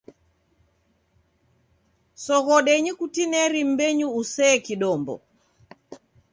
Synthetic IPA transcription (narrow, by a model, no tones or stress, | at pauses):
sɔɣɔɗɛɲikutinɛɾim̩bɛɲuːsɛkiɗɔmbɔ̰